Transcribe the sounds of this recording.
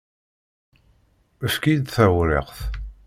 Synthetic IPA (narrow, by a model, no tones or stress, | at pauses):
əfkid̪θæwɾḛqθ